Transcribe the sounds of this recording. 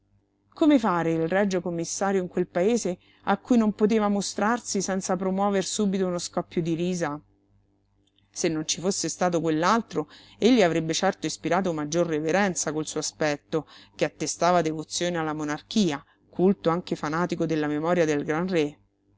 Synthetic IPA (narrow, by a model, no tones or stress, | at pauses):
komefaːɾeilrɛd͡ʒːokomːisːaːɾjoiŋkwelpaeːze | akːujnompot̪̬eːvamost̪ɾarsisɛnt̪sapɾomwɔːversuːbit̪ounoskɔpːjod̪iɾiːza | senːont͡ʃifosːest̪aːt̪okwelːalt̪ɾoeʎːiavɾebːet͡ʃɛrt̪oispiɾaːt̪̬omad͡ʒːorːeveɾɛnt̪sakolsuːoaspɛt̪ːokeat̪ːest̪aːvad̪evot̪sːjoːnealːamonark̟iːa | kʰult̪oaŋkefanaːt̪ikod̪elːamemɔːɾjad̪elɡɾanre